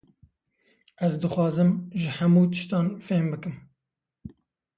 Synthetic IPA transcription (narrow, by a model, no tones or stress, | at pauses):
ɛzd̪ɨxwɑːzɨmʒɪhɛmuːt̪ɨ̥ʃt̪ɑːnfeːmbɨkɨm